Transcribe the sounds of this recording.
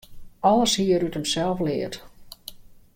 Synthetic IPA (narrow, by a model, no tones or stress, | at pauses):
ɔlˠəshiəɾutəmsɛlˠflɪət